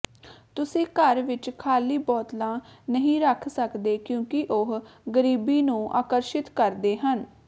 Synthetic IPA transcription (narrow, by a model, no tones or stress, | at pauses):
t̪ʊsĩːkəɾʋɪt͡ʃkʰaːliːbɔːt̪lãːnəɦĩːɾəkʰsəkd̪eːkjõːkɪʔoɦɡəɾiːbiːnũːʔa̰ːkəɾʃɪt̪kəɾd̪eːɦən